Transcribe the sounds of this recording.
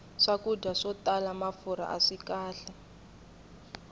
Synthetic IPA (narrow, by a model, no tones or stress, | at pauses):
ʂakudaʂɔtalamafuɾa̰ʔaʂikaːɬɛ